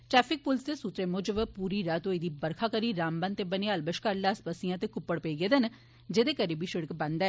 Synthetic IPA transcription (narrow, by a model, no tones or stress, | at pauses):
ʈɾɛːpʰɪk̚pʊlst̪eːsuːt̪ɾeːmʊd͡ʒəʋəpuːɾiːɾaːt̪oːɪd̪iːbəɾkʰaːkəɾiːɾaːmbãnt̪eːbəneːəlbəʃkəɾlaːspaːsijãːt̪eːkʊpːəɽpəiːɡeːd̪en | d͡ʒeːd̪eːkəɾiːbiːʃɪɽəkbə̃nd̪aː